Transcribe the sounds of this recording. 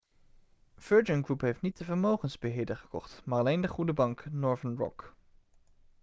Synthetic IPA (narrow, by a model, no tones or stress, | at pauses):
v̥øɹd͡ʒənɡrupɦejftnit̚dəvəɹmowχənzbəɦɪːɹdəχə̥kɔ̰χtmaːɹɑlejndəχudəbɑŋknɔɹvənɹɔ̰k